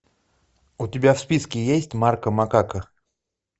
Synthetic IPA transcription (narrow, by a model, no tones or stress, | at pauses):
ʊtʲɪbʲafspʲiskʲɪjesʲtʲmarkəmakakə